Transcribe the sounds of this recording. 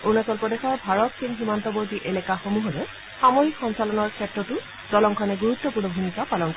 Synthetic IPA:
unasɔlpɹɔdexɔɹbʱaɹɔtsinximantɔboɹtiʔelɛkaxomuɦɔɹɛ | xamɔɹikxɔnsalɔnɔɹkʰɛtɹɔtʊ | dɔlɔŋkʰɔnɛɡuɹutːɔpuɹnɔbʱunikapalɔnkɔ

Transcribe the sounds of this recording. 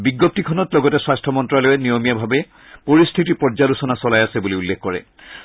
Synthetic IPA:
biɡːop̚tikʰɔnɔtlɔɡɔtɛswastʰɔmɔntɹalojɛnijomijabʱabɛ | poɹistʰitipɔɹzalusɔnasɔlajasɛbuliulːekʰkɔɹɛ̰

